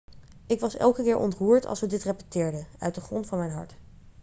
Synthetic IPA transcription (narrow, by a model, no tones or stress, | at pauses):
ɪkʋɑsɛ̰lˠkəkɪːɹʔɔ̰ntruːɹtʰɑ̰lˠsədɪtrepətɪːɹdəœ̰ɥtdəχrɔntfɑnmɛjnɦɑ̰ɹt